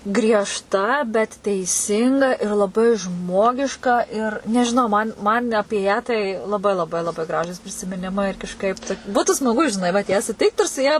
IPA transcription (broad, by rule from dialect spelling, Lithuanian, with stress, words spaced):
ɡrʲiɛʃˈtɐ bʲɛt tʲɛɪˈsʲɪŋɡɐ ɪr lˠɐˈbɐɪ ˈʒmoːɡʲɪʃkɐ ɪr nʲɛʒʲɪˈnɐʊ mɐn mɐnʲ ˈɑːpʲiɛ tɐɪ lˠɐˈbɐɪ lˠɐˈbɐɪ lˠɐˈbɐɪ ˈɡrɑːʒuːs pʲrʲɪsʲɪmʲɪˈnʲɪmɐɪ ɪr kɐʃˈkɐɪp tɐ ˈbuːtʊ smɐˈɡʊ ɪ ʒʲɪˈnɐɪ ʋɐt ˈjæː sʊˈtʲɪkt ɪr sʊ ˈjɛ